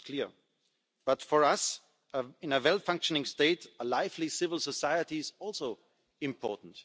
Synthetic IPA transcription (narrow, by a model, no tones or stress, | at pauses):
kʰl̥iɹ | b̥ʌtfɔ˞ʌs | əɪ̃nəwɛlˠfʌ̃ŋkʃənɪ̃ŋsteɪtəlaɪflisɪvəl̩ˠsəsaɪətizɔlˠsoʊ | ɪ̃mpʰɔ̰ɹtn̩t